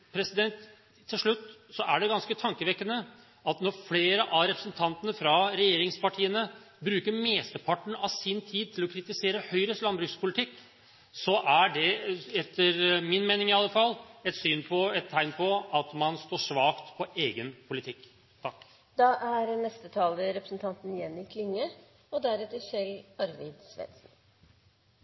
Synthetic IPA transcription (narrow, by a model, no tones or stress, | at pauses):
pʰɾɛsɪd̪ɛnt̪ʰː | ɪlʂɭʉt̪ːsɔʔæɖɛɡɑnskət̪ʰɑŋkəʋɛkːənə | ɑt̪nɔɾfleːɾəʔɑɾɛpɾəsnt̪ʰɑnt̪ənəfɾɑɾɛjeːɾɪŋspɑʈʰiːənə | bɾʉːkəɾmeːst̪əpʰɑʈːɳ̩ɑsɪnt̪ʰiːd̪̚t̪ʰɪlɔkʰɾɪt̪ɪseːɾəhœʏɾəst̪lɑnbɾʉkspʰʊlɪt̪ʰɪkː | sɔʔæɖɛɛt̪ʰːəɾmɪnmeːnɪŋɪɑlːəfɑlːɛt̪syːnpʰɔɛt̪ʰːæɪnpʰɔɑt̪mɑnst̪oːʂʋɑːkt̪pʰɔʔeːɡənpʰʊlɪt̪ʰɪkː | t̪ʰɑkː | d̪̥ɑːʔæɾnɛst̪ət̪ʰɑːləɾɛpɾəsnt̪ʰɑnt̪n̩jɛnːɪkʰlɪŋːə | ɔd̪æɾɛt̪ːəçɛlɑɾʋɪd̪sʋɛ̰nsn̩